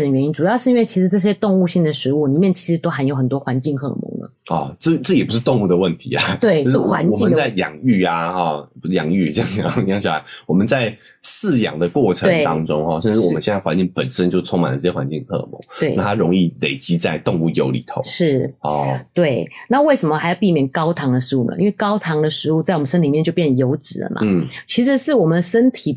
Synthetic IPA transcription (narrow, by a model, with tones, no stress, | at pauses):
d̪ə˩ɥɛ˧˥ni˥nʈ͡ʂu˨˩jɑ˥˧ʊʂɻ̩˥˩i˥nwe˥˩ɪt͡ɕʰi˧˥ʂɻ̩˧˥ʈ͡ʂɤ˥˩ɕ̬jɛ˥t̪ʊ˥˧ŋu˥˧ɕi˥˩ŋd̪ə˩ʂɻ̩˧˥u˥˩ni˨˩mjɛ˥˩nt͡ɕʰi̥˧˥ʂɻ̩˧˥t̪o˥ʊxa˧˥njo˧ʊxə˨˩nt̪wɔ˥xwa˧˥nt͡ɕi˥˧ŋkʰɤ̰˥˩mʊ̰˧˥ŋlə̰˩ɔ˥˧ʈ͡ʂɤ˥˩ʈ͡ʂɤ˥˩jɛ˨˩pu˧˥ʂɻ̩˥˧t̪ʊ˥˧ŋu˥˩d̪ə˩wə˥˩nt̪ʰi˧˥a̰˨˩t̪we˥˩ɪ˥ʂ̩˥˩xwa̰˧˥nwɔ˨im˥ə˦t͡sa˥˩ɪjɑ̰˨˩ŋy˥˩a˩ɔ˥˩˧jɑ˨˩ŋy˥˧t͡ɕjɑ˥˧ŋɕɑ˥˧jɑ˥˧˩ɕja˥˩a̰˧˦ɪwɔ˨˩mə˨nt͡sa˥˧ɪ | sɹ̩˥˩jɑ̰˨˩ŋd̪ə˩kwɔ˥˩ʈ͡ʂʰə˧we˦˥ŋ˩t̪ɑ˦˥ŋʈ͡ʂʊ˥ŋxɔ˥˧ʂə˥˧nʈ͡ʂɻ̩˥˩ɔ˨ə˦ɕjn˥˩xwa˧˦nt͡ɕi˥˩ŋpə˨˩nʂə˦nt͡ɕjo˥˧ʊt͡sʰoʊ˥ŋma˨nə˦ʈ͡ʂə˥˩ɛ˧xwa̰˧˦nt͡ɕi˥˧ŋʰɤ̰˥˧˩mo̰˨˦we˥˩ɪ˥˩t̪ʰa˥ɻo˧˥ŋi˥˩le˨˩ɪt͡ɕi˥t͡sa˥˧ɪt̪o˥˧ŋu˥˩jo˧˥ʊlḭ˨˩t̪ʰo̰˧˥˦ʂɻ̩˥˩ɔ˥˩t̪we˥˩ɪna˥˧we˥˩ɪʂə˧˥mə˧xa˧˥ɪjp̬i˥˩mjɛ˨˩nkɑ˥ʊt̪ʰɑ˧˥ŋd̪ə˨ʂɻ̩˧˥u˥˩mə̰˩ʔḭ˧˥nwe˥˩ɪkɑ˥ʊt̪ʰɑ˧˥ŋd̪ə˨ʂɻ̩˧˥u˥˧t͡sa˥˩ɪwɔ˨˩mə˨˩ʂə˥nli˨˩mjɛ˥˧t͡ɕo˥˧ʊpjɛ˥˩n˩ə˩jo˧˥ʊʈ͡ʂɻ̩˨˩lə̰˩ma̰˨n̩˥˩t͡ɕʰi˧˥ʂɻ̩˧˥ʂɻ̩˥˩wɔ˨˩mə˨ʂə˥nt̪ʰi˨˩